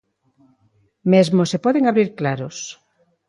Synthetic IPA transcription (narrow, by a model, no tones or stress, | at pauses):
mezmosepɔðeŋaβɾiɾklaɾos